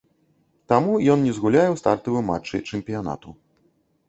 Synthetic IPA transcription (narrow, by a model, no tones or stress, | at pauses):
t̪amuiɔnɲɛzɡulʲjajɔwst̪aɾt̪ɨvɘma̰t͡ʂɛ̰jt͡ʂɛmʲpʲiɔna̰t̪u